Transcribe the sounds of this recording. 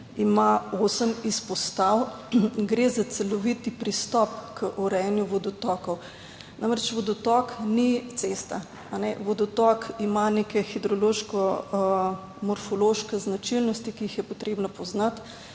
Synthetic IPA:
imaosəmispɔst̪awɡɾezat̪sɛlɔʋit̪ipɾist̪ɔpkəʔɔɾɛjɛnjuʋɔd̪ɔt̪ɔkɔw | namɾɛt͡ʃʋɔd̪ɔt̪ɔknit̪sest̪a | anɛʋɔd̪ɔt̪ɔkimanekɛxid̪ɾɔloʃkɔ | mɔɾfɔloʃkɛznat͡ʃilnɔst̪ikiixjɛpot̪ɾeːbnapɔznat̪

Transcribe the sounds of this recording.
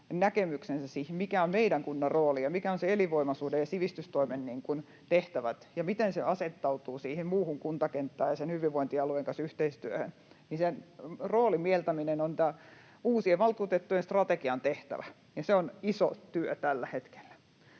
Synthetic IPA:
nækemyksensæsiːhmmikæommeiɾæŋkunːɑrroːlijɑmikæonseeliʋoimɑsuːdejɑsiʋist̪yst̪oimenniːŋkun | t̪eht̪æʋæt̪jɑmit̪enseɑset̪ːɑut̪uːsiːhimmuːhuŋkunt̪ɑkent̪ːæːjɑsenhyʋiʋʋoint̪iɑlueŋkɑnsyht̪eist̪yøhø̰n | ninsenroːlimielt̪æminenont̪æː | uːsieʋɑlkut̪et̪ːujenst̪rɑt̪ekiɑnt̪eht̪æ̰ʋæ | jɑseoniso̰t̪yøt̪ælːæhet̪ke̥lːæ̥

